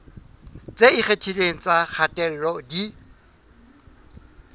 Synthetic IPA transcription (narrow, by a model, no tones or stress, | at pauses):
t͡sʼeiχetʰileŋ̩t͡sʼak͡xʰatʼɛl̩lɔdi